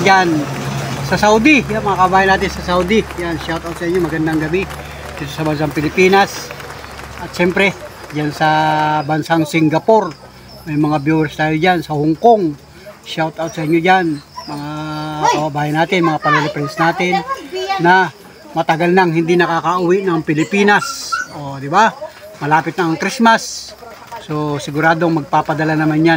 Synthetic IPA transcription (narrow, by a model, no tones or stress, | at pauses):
d͡ʒansɐsawd̪ɪjamɐŋakɐbɐbaːjanaːt̪ɪnsɐsawd̪ɪjanʃawt̪awt̪̚sɐɪɲːomɐɡɐnd̪aŋɡɐbɪ | d̪ɪt̪osɐbɐns̬aŋpɪlɪpiːnas | ʔɐt̪̚ʃɛmpɾɛd͡ʒansɐbɐnsaŋsɪŋɡɐpo̞ɾ | mɐjmɐŋabjuwɛɾst̪aːjod͡ʒansɐhʊŋkoŋ | ʃawt̪awt̪̚sɐʔɪɲod͡ʒanmɐŋakɐbɐbaːjanaːt̪ɪnmɐŋapɐlɛlɪpɾɛnsnaːt̪ɪnːɐ | mɐt̪ɐɡalnɐŋɦɪnd̪inɐkaːkɐʔʊwɪʔnɐŋpɪlɪpiːnasʔo̞d̪ɪba | mɐlaːpɪt̪̚nɐɐŋkɾismas | sosɪɡʊɾaːd̪o̞ŋmɐɡ̚paːpɐd̪ɐlanɐmanja